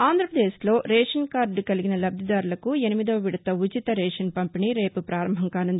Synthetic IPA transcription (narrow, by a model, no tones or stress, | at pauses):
aːnd̪ʱɾɐpɾɐd̪eːslo̞ːɾɛːʂɐnkaːɾɖkɐliɡinɐlɐbd̪id̪aːɾulɐkuenimid̪ɐːʋiɽɐt̪ɐud͡ʒit̪ɐɾɛːʂɐnpɐmpiniːɾe̞ːpupɾaːɾɐmbʱɐŋkaːnɐnd̪i